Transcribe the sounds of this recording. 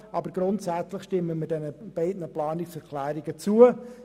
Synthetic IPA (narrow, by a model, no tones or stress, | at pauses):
ɑbəɾɡɾʊntsæt͡slɪχʃtɪmːəmɪdɛnəb̥ɛɪdnəplɑːnɪksɛɾkʰlæːɾɪɡət͡suə